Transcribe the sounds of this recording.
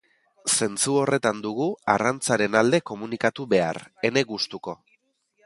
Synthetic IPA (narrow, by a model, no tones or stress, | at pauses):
se̞nt͡suo̞re̞t̪and̪uɣ̞uarant͡saɾe̞nald̪e̞ko̞munikat̪uβe̞a̰re̞ne̞ɣust̪uko̞